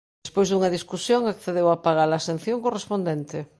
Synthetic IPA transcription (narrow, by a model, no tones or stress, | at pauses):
spojzðuŋaðiskusjoŋakθeðewapaɣ̞alaːsẽn̟θjõŋkorespõnd̪ent̪e